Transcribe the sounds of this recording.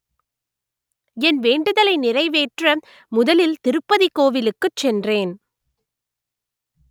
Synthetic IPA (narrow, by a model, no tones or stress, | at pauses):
ɛnʋeːɳɖɯðɐlɐɪnɪrɐɪʋeːʈrɐ | mʊðɐlɪlt̪ɪɾɯpːɐðikoːʋɪlɯkːɯt͡ʃːɛndreːn